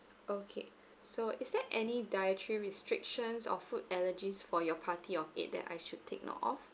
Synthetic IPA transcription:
okʰḛ | soʔisdɛʔɛnidajətʰɹiɹistɹɪkʃə̃nsɔ̰futɛləd͡ʒisfɔjɔpʰatʰiɔfḛt̚dɛ̰ta̰jʃud̚tʰek̚nɔ̰tɔ̰f

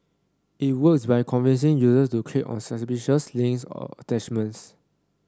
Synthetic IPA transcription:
it̚wək̚sbajkʰɔ̃nvĩns̬ɪ̃ŋjuzəstukʰɹeʔɔ̰̃nsəspiʃəslĩŋksɔ̰ə̰tɛt͡ʃmə̃ns

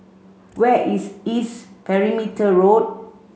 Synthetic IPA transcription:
wɛʔisispɛɹimitəɹot̚

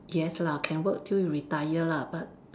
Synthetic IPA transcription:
jɛslakʰɛ̃nwək̚tʰiljuɹitajəlabat̚

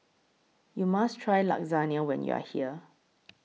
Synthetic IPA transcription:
jumastʰɹajla̰k̚zaniəwɛ̰̃njṵa̰hiə

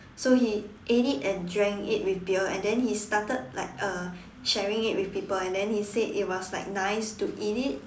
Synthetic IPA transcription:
sohiʔedidɛ̃ndɹɛ̃ŋkḭt̚wifbiəɛ̰̃ndɛ̃nhistatəd̚la̰ɪk̚ʌ | ʃɛɹĩŋit̚wifpipəlɛ̃ndɛ̃nhisedḭt̚wɔslaɪk̚naɪstuʔidit̚

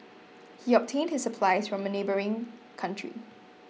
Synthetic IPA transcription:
hiɔp̚tʰẽndhɪssəpʰlaɪsfɹɔ̃mənebəɹɪ̃ŋ | kʰãntʰɹḭ

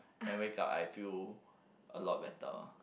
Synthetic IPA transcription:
ɛ̃nwekapa̰jfil | ʔəlɔt̚bɛtə̰

